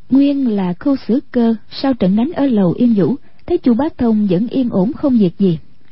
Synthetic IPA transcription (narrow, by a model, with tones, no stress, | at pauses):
ŋwi˧ənlaː˨˩xu˧sɨ˧˥˦kəː˧ | saː˧wt͡ɕə̰˧˨nɗa˨˦jŋ̟ʔəː˧˩˦lə˨˩wʔi˧ənzṵ˧˥ | t̪ʰe˨˦jt͡ɕu˨˩ɓaː˦k̚t̪ʰə˧wŋ͡mzə̰˧˥nʔi˧ənʔo˧˥mxə˧wŋ͡mzi˨˩ək̚zi˨˩